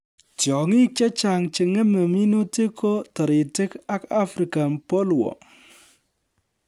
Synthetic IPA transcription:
tjɔ˨ŋi˦kɛ˦t͡ʃa˨ŋt͡ʃɪ˨ŋɛ˦mə˨mi˦nu˦ti˦kʰo˦tɔ˨ɾɪ˨tɪ˦ka˦ka˦fɾi˨ka˨mpo˦lwɔ̰˨

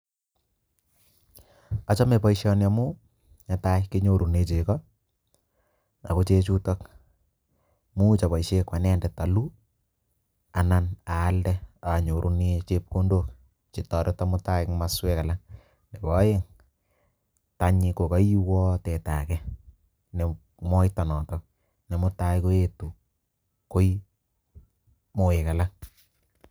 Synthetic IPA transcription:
a˨t͡ʃɔ˦me˨pɔ˨iʃjɔ˨na˨mʊ˦ | ɲa˨ta˦ɪki˦ɲo˨ɾu˨ne˨t͡ʃe˨kɔ˦ | na̰˨ko˦t͡ʃe˦t͡ʃu˦tɔ˦k | mu˦t͡ʃa˨pa˨i˨ʃe˦kwa˨nɛ˦ndɛ˨ta˨lu˦ | a˨na˦naː˨˦ldɛ˦a˨ɲo˨ɾʔu˦ne˦t͡ʃe˦p̚ko˦ndo˦k | t͡ʃi˨tɔ˨ɾe˦ta˦mʊ˦ta˦ɪ˦ŋma˦swɛ˦ka˨la˦ŋ | ne˨bɔ˨˦je˦ŋ | ta˨ɲi˧ko˨ka˦ji˦wɔ˦tɛ˨ta̰˨kɛ˦ | ne˨ | mɔ˦ita˨nɔ˨tɔk̚ | nɛ˨mʊ˦ta˦jko˦e˦˨tu˨ | ko˦i˦ | mo˨e˨ka˨la˦ŋ

